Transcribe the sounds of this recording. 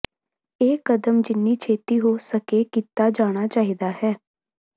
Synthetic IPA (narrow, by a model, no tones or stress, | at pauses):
eːkəd̪əmd͡ʒɪnːiːt͡ʃʰeːt̪iːɦoːsəkeːkiːt̪aːd͡ʒaːɽ̃aːt͡ʃaːɦiːd̪aːhɛː